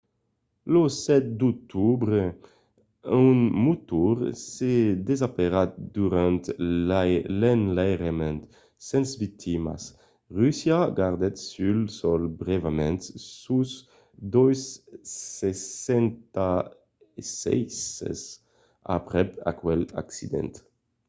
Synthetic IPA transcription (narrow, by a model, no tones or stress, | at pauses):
losɛt̪̚d̪uk̚t̪ʰubʁe | ynmut̪uʁsed̪ezapeʁat̪̚d̪uʁãnt̪alɛnlajʁemɛ̃nt̪ | sɛ̃nsvik̚t̪ʰima̰s | ʁysjaɡaʁd̪ɛt̪sylsɔlbʁevamɛ̃nt̪suz | d̪ɔjssesɛnt̪a | sɛ̰jsḛs | a̰pʁɛpa̰kwɛla̰ksid̪ɛ̰̃nt̪